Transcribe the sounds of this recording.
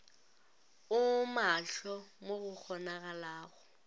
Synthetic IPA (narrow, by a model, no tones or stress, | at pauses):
ʊmaɬɔmoɣʊk͡xʰɔnaɣalaːɣɔ